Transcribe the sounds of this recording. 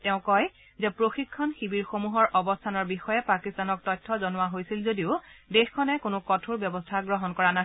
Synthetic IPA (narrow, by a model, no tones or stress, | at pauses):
tɛʊ̃kɔj | zɛpɹoxikʰːɔnxibiɹxomuɦɔɹʔɔbɔstʰanɔɹbixɔjɛpakistanɔk̚tɔjtʰːɔzɔnʊwaɦojsilzodiʊdexkʰɔnɛkʊnʊkɔtʰuɹbjɔbɔstʰaɡɹɔɦɔnkɔɹana